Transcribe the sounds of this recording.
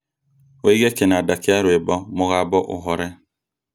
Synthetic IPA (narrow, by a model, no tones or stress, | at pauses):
weiɡekenadakɪaɾʊebɔmʊɣabɔʔʊ̰ɦɔɾɛ